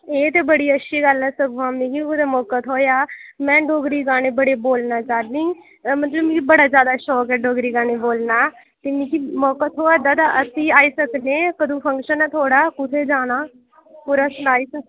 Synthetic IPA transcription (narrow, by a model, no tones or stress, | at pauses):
eːt̪eːbəɽiːətːʃʰiːɡəlɛːsəɡãːmnĩːkiʊd̪eːmɔːkət̪ʰɦoːjaːmɛ̃ːɖoːɡɾiːɡaːneːbəɽeːboːlnaːt͡ʃaːɾd̪ĩː | mət̪ləbmĩːkibəɽaːd͡ʒjaːd̪aːʃɔːkɛːɖoːɡɾiːɡaːneːboːlnaː | t̪eːnĩːkiːmɔːkət̪ʰɦoːəd̪aːd̪aʔəsiːaːiːsəkd̪ẽːkəd̪õːpʰəŋkʃənɛːt̪ʰoːɽaːkʊt̪ʰeːd͡ʒaːnaː | puɾasʊnaːiːsək